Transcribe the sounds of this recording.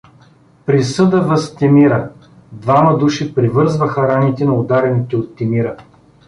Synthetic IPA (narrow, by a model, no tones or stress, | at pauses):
pɾisɤd̪əvɐst̪ɛmiɾə | d̪vamɐd̪uʃipɾivɤɾzvəxɐɾanit̪ɛnɐod̪aɾɛnit̪ɛot̪ːɛmiɾə